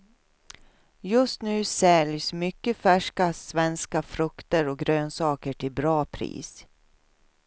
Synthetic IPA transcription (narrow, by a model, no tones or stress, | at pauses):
jɵst̪nʉ̟ːsɛljsmʏkːəfæʂkasvɛnskafɾɵkt̪əɾɔɡɾøːnsɑːkəʈʰɪlbɾɑːpʰɾḭːs